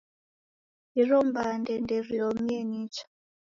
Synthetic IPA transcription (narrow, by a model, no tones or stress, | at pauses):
irɔmbandɛnderiomenit͡ʃḁ